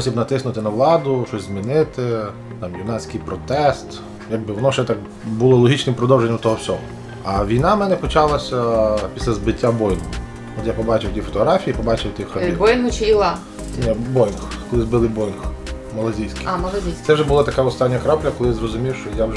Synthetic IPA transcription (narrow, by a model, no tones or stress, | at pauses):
pɔsʲibnɐt̪ɪsnʊt̪ɪnɐʋlˠɑd̪ʊʃt͡ʃɔsʲzmʲinɪt̪ɪ | t̪ɑmjʊnɑt͡sʲkɪjpɾɔt̪ɛst̪ | jɐɡ̚bɪʋɔnɔwʒɛt̪ɑk | bʊlˠɔlˠɔɦʲit͡ʃnɪmpɾɔd̪ɔwʒenʲːɐmt̪ɔɦɔwsʲɔɦɔ | ɐʋʲijnɑmɛnɛpɔt͡ʃɑlˠɐsʲɐpʲi̥sʲlʲɐzbɪtʲːabɔjnʊ | ɔt̪japɔbɑt͡ʃɪwt̪ʲifɔ̥t̪ɔɦɾɑfʲijipɔbɑt͡ʃɪwt̪ɪxxɐt̪ibɔjnɦʊt͡ʃɪjilˠɑ | nʲɛbɔjnxkɔlˠɪzbɪlˠɪbɔjnx | mɐlˠɐzʲijsʲkɪmɐlˠɐzʲisʲt̪sɛwʒɛbʊlˠat̪ɐkaɔst̪ɑnʲːɐkɾaplʲɐkɔlˠɪzrɔzʊmʲiwʃt͡ʃɔjaw